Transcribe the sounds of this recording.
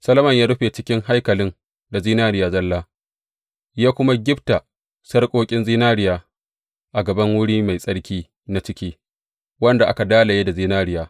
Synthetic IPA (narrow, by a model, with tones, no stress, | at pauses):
sɐ˦lɐ˦mɐ˦˨ɲjaː˦ɽʊ˦ɸe˨t͡ʃɪ˦kʲɪ˦ŋha˦jkɐ˨lɪ˦n | da˨ziː˦naː˦ɽɪ˦jaː˨zɐ˦lːaː˦ | jaː˦kʷʊ˦ma˦ɡʲɪ˦bta˨ | sɐ˦rkʷʼoː˦kʲʼɪ˦nziː˦naː˦ɽɪ˦jaː˨ | ʔa˨ɡɐ˨bɐ˦ŋwʊ˦ɽiː˦ma˨jsʼɐ˦ɽkʲiː˦ | na˦t͡ʃɪ˦kʲiː˦ | wɐ˦nda˨ʔa̰˦ka˨daː˦la˨jeː˦da˨ziː˦naː˦ɾɪ˦jaː˨